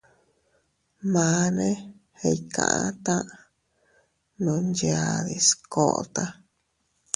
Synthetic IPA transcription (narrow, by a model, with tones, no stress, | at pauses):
mã˨˧˦nẽ˦ | he˧ikã̰˨ʔã˦t̪ã˦ʔ | nũ˧nd͡ʒa˧ði˧sko˨˧t̪a˦